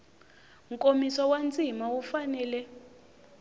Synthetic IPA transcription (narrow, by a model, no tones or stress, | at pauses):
ŋkʼomiswawant͡sʼimawufanɛːlɛ